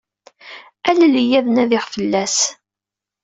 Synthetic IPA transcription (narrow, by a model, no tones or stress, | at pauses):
ællijæðənæðɪʁfəlːæs